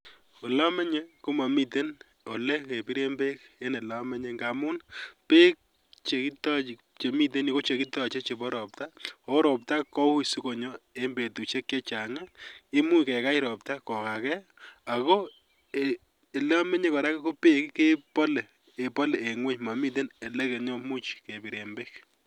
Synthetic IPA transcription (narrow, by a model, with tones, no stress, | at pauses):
o˨la˦mɛ˦ɲe˦ko˦ma˨mi˦te˦n | o˨le˦ke˨pi˦ɾe˦mbe˦ke˦ne˨la˦mɛ˦ɲe˦ŋɡa˨mʊ˦npe˦k̚ | t͡ʃe˨ki˦tɔ˦t͡ʃi˨ | t͡ʃe˨mi˦t̬e˦ni˦ko˦t͡ʃe˨ki˦tɔ˨t͡ʃe˦t͡ʃe˨bɔ˦ɾɔ˨p̚ta˦ɔ˨˦ɾɔ˨p̚ta˦kɔ˦u˦su˦ko˨ɲɔ˦e˦mbe˨tu˨t͡ʃe˦kːe˦t͡ʃa˨ŋɛ˦e˦mu˦jkɛ˨ka˦iɾɔ˨p̚ta˦kɔ˨ka˨kɛ˦ | a˨ko˦ | e | e˨lɛ˦ɔ˦me˦ɲe˦kɔ˨ɾa˦ke˦ko˦pe˦kke˦pɔ˦le˨ | e˨pɔ˦le˨e˨ŋwe˦ɲma˨mi˦t̬e˦ne˨le˦ke˨ɲɔ˦mu˦t͡ʃke˨pi˨ɾe˨mbek